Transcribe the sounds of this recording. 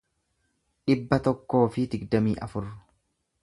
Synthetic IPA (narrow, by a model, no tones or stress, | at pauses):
ᶑɪbːɐt̪ɔkːo̞ːfɪd̪ɪɡd̪ɐmiːʔɐ̰fʊɾːʊ̥